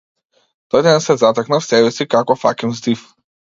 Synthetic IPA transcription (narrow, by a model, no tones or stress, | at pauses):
t̪ɔjd̪ɛnsɛzat̪ɛknafsɛbɛsikakɔfa̰kʲinzd̪if